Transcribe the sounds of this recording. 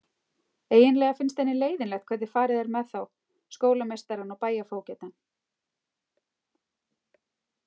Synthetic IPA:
eːjɪnlɛːɣafɪnst̪ɛnːɪleːjðɪnlɛxt̪kʰvɛɾt̪ðɪ̥faːɾɪðɛɾmɛðθaw | skoːwlamejst̪aɾanawpaːjafoːwcɛt̪an

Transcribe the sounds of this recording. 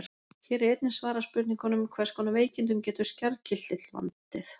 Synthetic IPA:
çɛːɾɪejt̪nɪsvaːɾaspʏɾt̪iŋkanʏmkʰvɛɾskʰɔːnaveːjcɪnt̪̬ʏmcɛːt̪ʏ̥scɛɾcʰɪl̥t̪ːɪt̪lva̰nt̪ɪθ

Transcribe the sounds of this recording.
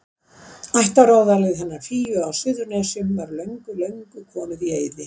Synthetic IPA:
ajht̪aɾaːwðalɪɣɛnːaɾ̥fiːjʏawsɪðʏɾnɛsʏmvaɾlœɥŋkʏlœɥŋkʏkʰɔːnʏðieːjðɪ

